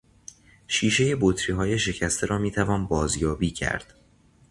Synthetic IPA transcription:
ʃiːʃe̞je̞bot̪ʰɾiːɦɒːje̞ʃe̞cʰæst̪e̞ɾɒːmiːt̪ʰævɒːnbɒːzjɒːbiːcʰæ̰ɾd̪̥

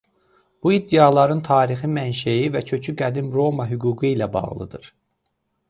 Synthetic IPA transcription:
b̥uid̪ːeɑlˠɑɾɯnt̪ʰɑːɾiximænʃæjivæcʰø̞cʰyɡæd̪imɾo̞mɑɦyɡuːɡɯilæbɑ̰ʁlˠɯ̰d̪ɯɾ̥

